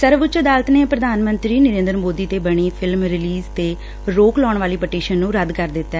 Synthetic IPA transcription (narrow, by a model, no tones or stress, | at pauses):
səɾʋʊt͡ʃəd̪aːlət̪neːpɾəd̪aːnmənt̪ɾiːnəɾẽːnd̪əɾmoːd̪iːt̪eːbəɽ̃iːpʰɪlmɾɪliːzt̪eː | ɾoːklɔːɳʋaːliːpəʈiːʃənːũːɾəd̪kəɾd̪ɪt̪ːɛː